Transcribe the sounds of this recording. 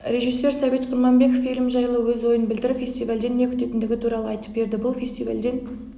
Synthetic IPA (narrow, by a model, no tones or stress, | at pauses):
ɾe̞ʒijsːe̞ɾsɑve̞t̪qʰʊɾmɑnbe̞kofilʲɪmʒɑjəlˠəwɵzwo̞jənbɪld̪ɪɾfʲe̞st̪ijvald̪e̞nːe̞kʰʲʏ̥t̪e̞t̪ɪnd̪ɪɡʲɪt̪ʰuɾɑlˠəɑjt̪ə̥p̚be̞ɾd̪ɪbʊlˠfʲe̞st̪ijva̰ld̪e̞n